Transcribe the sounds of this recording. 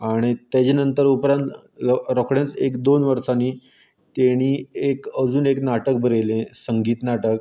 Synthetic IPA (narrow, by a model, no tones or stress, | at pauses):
aɽ̃it̪jat͡ɕenənt̪əɾupɾãnt̪ | ɾɔkɽẽnt͡sekd̪onʋəɾsaniː | t̪eɽ̃iːekəd͡zuːneknaʈək̚bʱəɾelẽsəŋɡiːt̪naʈək